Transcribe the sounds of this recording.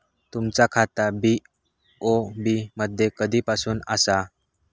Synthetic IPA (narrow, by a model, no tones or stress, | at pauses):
t̪umt͡sakʰat̪abi | ɔbiməd̪ʱjekəd̪ipasuna̰sa